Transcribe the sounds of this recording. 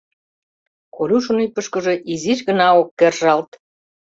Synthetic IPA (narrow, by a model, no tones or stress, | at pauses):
kolʲuʃə̆nypə̆ʃkə̆ʒĕʔiziʃɣənɑokːerʒɑlt̪